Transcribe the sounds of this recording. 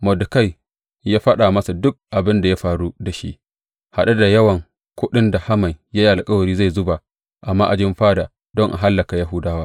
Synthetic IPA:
mɔ˨dʊ˨ka˦˨j | jaː˦ɸɐ˦ɗa˨mɐ˦sa˨dʊ˦k̚ʔa˨bɪ˦nda˨ja˦ɸaː˨ɾu˦da˨ʃḭ˦ʔ | ha˨ɗa˦da˨jɐ˦wɐ˨ŋ | kʷʊ˦ɗɪ˦nda˨ha˦ma˨jja˦i˦ʔa˨lkʼɐ˦wɐ˨ɾiː˦za˦˨jzʊ˦ba˨ | ʔa˨mːaː˦ʔa˨d͡ʒɪ˦mɸaː˦da˨ | dɔ˦ŋʔa̰˨ɦa˦lːɐ˨ka˨ja˦ɦʊ˦daː˦waː˦

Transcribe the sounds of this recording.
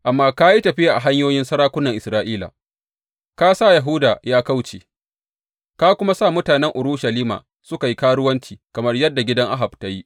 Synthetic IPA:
ʔa˨mːaː˦ka˦ji˦tɐ˨ɸɪ˦ja˨ʔa̰˨ɦa˦ɲjoː˦jɪ˦nsɐ˦ɾaː˦kʷʊ˦nːɐ˨ŋʔɪ˨sɾaː˦ʔiː˦la̰˨ | kaː˦sa˦˨ja˨ɦu˦daː˨jaː˦ka˦wt͡ʃḛː˨ | kaː˦kʷʊ˦ma˦saː˦˨mʊ˦taː˨nɛ˦ŋʔʊ˨ɾʊː˦ʃɐ˨liː˦ma̰ː˨ | sʊ˦ka˨ji˦kaː˦ɽʊ˦wɐ˦nt͡ʃiː˨kɐ˨mɐ˦rjɐ˦dːa˨ɡʲɪ˦dɐ˦ŋʔa˦ɦa˨b̚ta˦ji˦ʔ

